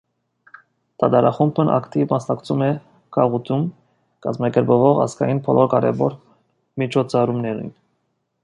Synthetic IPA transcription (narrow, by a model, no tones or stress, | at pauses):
t̪ɑt̪ɑɾɑχumbʰənʔɑ̰kt̪ivmɑsnɑkt͡sʰumɛ | kʰɑʁut̪ʰum | kɑzmɑkɛɾbəvɔʁɑ̰zkɑ̰jinpʰɔlʔɔɾkɑɾɛ̰vɔɾ | mit͡ʃʰɔt͡sʰɑɾumnɛɾḭn